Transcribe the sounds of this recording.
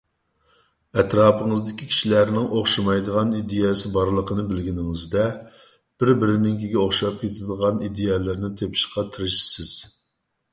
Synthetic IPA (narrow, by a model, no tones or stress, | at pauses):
ɛt̪ɾɑːpʰəŋəzd̪ɪkʲikʲʰi̥ʃilæɾnɪŋʔoχʃɑmɑjd̪əʁɑnid̪ejɛsɪbɑɾlˠəqʰənɨbɪlɡʲinɪŋɪzd̪ɛ | b̥ɪɾbɪɾɪnɪŋkʲiɡʲɛoχʃɑp̚kʲet̪ʰɪd̪əʁɑnid̪ejɛlɪɾnɪt̪ʰepʰʃqɑt̪ʰɨɾɨʃi̥sɪz̥